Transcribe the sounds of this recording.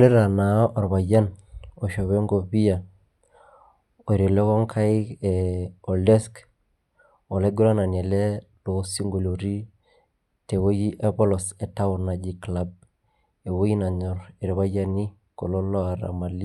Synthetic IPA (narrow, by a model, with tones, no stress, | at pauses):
le˦ɾa˨na˨˦ʔa˨ɾβa˨ja˦no˨ʃo˨βe˦ŋɡo˨βi˦ja˨ | o˨e˨ɾe˨le˦kɔ˦ŋkʰa˦i˦keɔ˨lde˦sk | ɔ˨le˦ɡu˦ɾa˦na˨ne˨le˦ | lo˨˦si˦ŋɡo˨lo˨ɾi˦ | te˨wo˦ji˦ʔa˦pɔ˦lɔ˨se˨ta˦ʊ˨na˨d͡ʒi˦kla˦b̚ | e˨wo˦i˦na˨ɲɔ˨ɾe˨ɾi˨βa˦ja˦ni˦ | ko˨lo˦lɔ˦a˨ɾa̰˨ma˨li˦